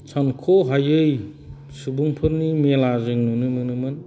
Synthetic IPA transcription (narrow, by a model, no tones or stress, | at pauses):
t͡ʃʰankʰoɦajɯj | subuŋpʰɯɾnimelazɯŋnunɯmɯnɯmɯn